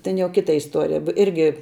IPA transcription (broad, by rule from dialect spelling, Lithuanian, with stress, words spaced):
tʲɛn jɛʊ ˈkʲɪtɐ ɪsˈtuɔrʲɪjɛ p ˈɪrʲɡʲɪ